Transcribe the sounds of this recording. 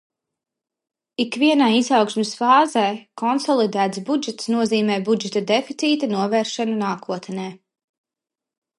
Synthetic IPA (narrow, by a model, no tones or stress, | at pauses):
ikvʲiɛnaːizɑwkʃmɪsfaːzɛjkʰɔnsɔlˠid̪æːt̪sbud͡ʒɛt̪snuɔziːmɛːbud͡ʒɛt̪ad̪efit̪sʲiːt̪anuɔvɛːɾʃɛnunaːkuɔt̪nɛː